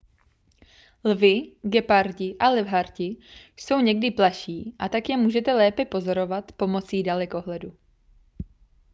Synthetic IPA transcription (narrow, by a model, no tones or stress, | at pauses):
lvɪɡɛpaɾcɪʔalɛvɦaɾcɪjso̞wɲɛɡdɪplaʃiːʔat̪akjɛmuːʒɛt̪ɛlɛːpɛpo̞zo̞ɾo̞vat̪po̞mo̞t͡siːdalɛko̞ɦlɛdu